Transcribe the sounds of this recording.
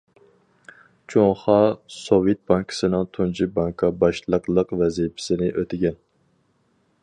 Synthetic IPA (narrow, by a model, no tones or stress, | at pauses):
t͡ʃʰoŋχɑsovjet̪̚bɑŋkʰɪ̥sɨnɨŋt̪ʰunt͡ʃʰibɑŋkʰɑbɑʃlˠəqlˠəqvɛzijpʰɪ̥sɪnɪʔøt̪ʰɪɡʲɛn